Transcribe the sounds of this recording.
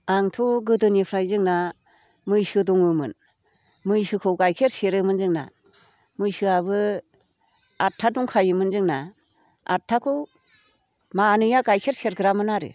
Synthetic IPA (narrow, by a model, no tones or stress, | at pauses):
aŋtʰuɡɯdɯnipʰɾajzɯŋna | mɯjsɯdɔŋɯmɯn | mɯjsɯkʰɯwɡajkʰeɾseɾɯmɯnzɯŋna̰ | mɯjsɯabɯ | atʰaduŋkʰajɯmɯnzɯŋna | a̰tʰːakʰɯw | maːnɯjaɡajkʰeɾseɾɡɯɾamɯnaɾɯ̰